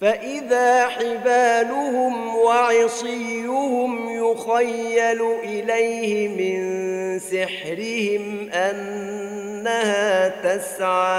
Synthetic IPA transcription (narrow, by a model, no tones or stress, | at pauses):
faʔɪðaːħɪbaːlʊhʊmwɑʕɪsˤɪːʊhʊm | jʊxajːalʊʔɪlajhɪmɪnsɪħɾɪhɪmʔanː | ahaːt̪asʕaː